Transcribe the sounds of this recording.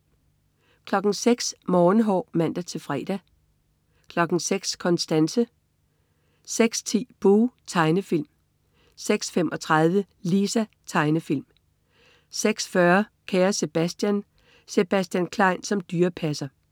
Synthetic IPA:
kʰlɒ̽ɡ̥n̩seɡ̥smɒːn̩ɦɒ̰ːmæn̰d̥æt͡sʰe̝fʁɛːd̥æ | kʰlɒ̽ɡ̥n̩seɡ̥skʰɒ̽nsd̥ænsə | seɡ̥st͡sʰḭːb̥oːt͡sʰɑ̈ɪnəfil̰m | seɡ̥sfem̰ʔɒ̽t͡sʰʁaðˠʋə | lisæ | t͡sʰɑ̈ɪnəfil̰m | seɡ̥sfɶɐkʰæːɐse̝b̥æsd̥jæn | se̝b̥æsd̥jænkʰlɑ̈ɪ̰nsɒ̽md̥yːɐpʰæsɐ

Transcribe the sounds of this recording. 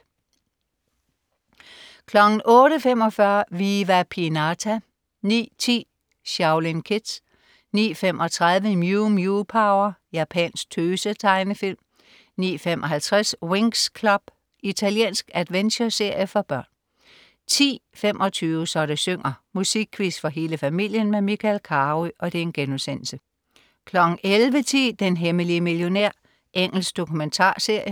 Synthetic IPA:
kʰlɒ̽ɡ̥n̩ʔɔ̽ːɾəfem̰ɒ̽fɶɐʋiːʋæpʰinɑt͡sʰæ | nḭːt͡sʰḭː | ɕɑ̈ʊlinkʰed̥ | nḭːfemʔɒ̽t͡sʰʁað̞ˠʋəimjumjupʰɑ̈ʊɐjæpʰɛ̰nsɡ̥̚t͡sʰøːsət͡sʰɑ̈ɪnəfil̰m | nḭːfem̰ʔɒ̽ɦælt͡sʰʁasweŋskʰlɒb̥ | it͡sʰæljḛːnsɡ̥æd̥ʋenɕɐse̝ɐ̰jəfɒ̽b̥ɶɐ̰n | t͡sʰḭːfem̰ʔɒ̽t͡sʰyːʋəsɒ̽ɾæsøŋ̰ɐmusiɡ̥̚kʰːʋisd̥fɒ̽ɦe̝ːləfæmil̰jənmemikʰælkʰɑːʁiʔɒ̽d̥e̝enɡ̥enusen̰l̩sə | kʰlɒ̽ɡ̥ŋ̩ʔelʋət͡sʰiːd̥enɦeməliəmiljo̝næɐ̰ | ʔeŋ̰l̩sɡ̥d̥o̝kʰument͡sʰɑ̰̈ːse̝ɐ̰jə

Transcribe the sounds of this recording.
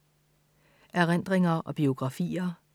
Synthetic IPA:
ʔæɐʁend̥ʁeŋɐʔɒ̽b̥io̝ɡ̥ʁɑ̈fḭːɐ

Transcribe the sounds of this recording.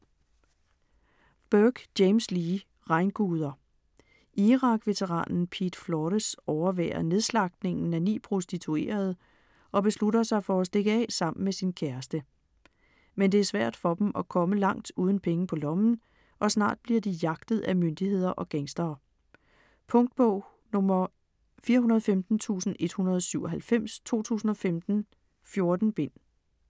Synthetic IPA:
b̥øɡ̥d̥eɪmsliː | ʁɑ̈ɪnɡ̥uːð̞ˠɐ | ʔiʁɑ̈ɡ̥ʋe̝t͡sʰeʁɑ̰̈ːnn̩pʰḭːd̥flɒːɾ̥əsɒʊɐʋɛ̰ːɐne̝ðˠslɑ̈ɡ̥d̥ne̝ŋn̩ænḭːpʰʁo̝sd̥it͡sʰue̝̰ːɐð̞̩ˠ | ʔɒ̽b̥e̝sludɐsɑ̈ɪfɒ̽æsd̥e̝ɡ̥əɛ̰ːsɑ̈m̰n̩mesinkʰæɐsd̥ə | mend̥e̝æɐsʋæɐ̰d̥fɒ̽d̥em̩ɒkʰɒ̽məlɑ̈ŋ̰d̥uːð̞ˠn̩pʰeŋəpʰɒ̽lɒ̽mn̩ | ʔɒ̽snɑ̰̈ːd̥̚b̥liɐd̥ijɑ̈ɡ̥d̥ð̩ˠæmønd̥ihe̝ð̰ˠɐʔɒ̽ɡ̥eŋsd̥ɐː | pʰɔ̽ŋd̥̚b̥ɔʊ̰ | nɔmɐ | fiːɐhunɐð̞̩ˠɒfemd̥n̩t͡sʰṵːsn̩e̝d̥hunɐð̞ˠsyʊ̰ɒɦælfem̰st͡sʰo̝̰ːt͡sʰṵːsn̩ɒ̽femd̥n̩ | fjo̝ɐd̥n̩b̥e̝n̰

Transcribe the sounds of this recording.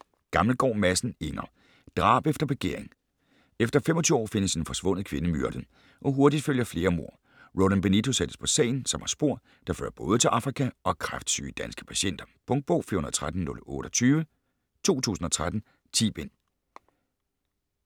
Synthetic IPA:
ɡ̥ɑ̈ml̩ɡ̥ɒ̰ːmæsn̩e̝nɐ | d̥ʁɑ̰̈ːb̥efd̥ɐb̥eɡ̥e̝ɐ̰eŋ | efd̥ɐfemɒt͡sʰyɒ̰ːfe̝nəse̝nfɒ̽sʋɔ̽n̰ð̩ˠkʰʋe̝nəmyɐd̥ən̩ | ʔɒ̽ɦoɐdid̥føljɐfle̝ːɐmo̝ɐ̰ | ʁolˠenb̥enit͡sʰo̝sed̥ə̥spʰɒ̽sɛ̰ːɪn̩sɒ̽mhɑ̈sb̥o̝ɐ̰ | d̥ɑ̈fø̰ːɐb̥ɔ̽ːð̞ˠət͡sʰe̝lʔɑ̈fʁikʰæɒ̽kʰʁafd̥sy̰ːd̥ænsɡ̥ə̥pʰæɕen̰d̥ɐpʰɔ̽ŋd̥̚b̥ɔ̰ːfḭɐonɐð̩ˠt͡sʰʁad̥n̩nɔ̽lɔ̽ːɾ̥ɒt͡sʰyːʋə | t͡sʰo̝̰ːt͡sʰṵːsn̩ɒ̽t͡sʰʁad̥n̩ | t͡sʰḭːb̥en̰

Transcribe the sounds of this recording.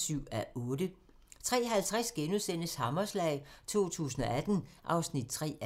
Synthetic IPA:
syʊ̰æɔ̽ːd̥ə | t͡sʰʁɛ̰ːɦælt͡sʰʁasɡ̥enuðˠsen̰əshɑ̈mɐslɛ̰ɪt͡sʰo̝̰ːt͡sʰṵːs̬n̩ɒ̽æd̥n̩ʔɑ̈ʊsnid̥̚t͡sʰʁɛ̰ː

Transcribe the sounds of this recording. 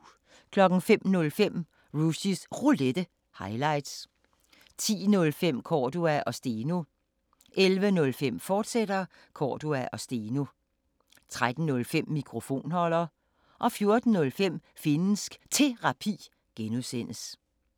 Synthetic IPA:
kʰlɒ̽ɡ̥ŋ̩fem̰nɔ̽lfem̰ | ʁuɕisʁuled̥ə | hɑ̈ɪlɑ̈ɪ̰d̥s | t͡sʰḭːnɔ̽lfem̰kʰɒːd̥uæʔɒ̽sd̥e̝no̝ | ʔelʋənɔ̽lfem̰fɒːd̥sed̥ɐ | kʰɒ̰ːd̥uæʔɒ̽sd̥eːno | t͡sʰʁad̥n̩nɔ̽lfem̰ːikʰʁo̝fo̝̰ːnhɒ̽l̰ɐ | ʔɒ̽fjo̝ɐd̥n̩nɔ̽lfem̰ | fe̝nsɡ̥t͡sʰe̝ʁɑ̈pʰḭː | ɡ̥enusen̰əs

